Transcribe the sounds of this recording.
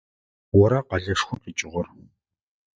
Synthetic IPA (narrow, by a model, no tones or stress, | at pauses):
wɔɾɐqɐɮɐʂxʷʊqiːt͡ʃʼɪʁɔr